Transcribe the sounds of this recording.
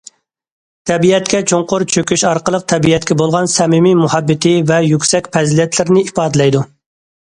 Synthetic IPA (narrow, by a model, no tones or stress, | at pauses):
t̪ʰɛbiɛt̪kʲɛt͡ʃʰoŋqʊɾt͡ʃʰøkʲyʃɑɾqəlˠəq̚t̪ʰɛbiɛt̪̚kʲɛbolˠʁɑnsɛmɪmimuhɛbːɪt̪ʰɪvɛjykʲsɛkʲpʰɛzlɛt̪ʰlɪɾnɪipɑːd̪ɪlɛjd̪u